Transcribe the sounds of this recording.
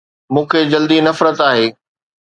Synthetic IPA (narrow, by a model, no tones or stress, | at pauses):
mũːkʰeːd͡ʑɐld̪inɐfɾət̪aːɦeː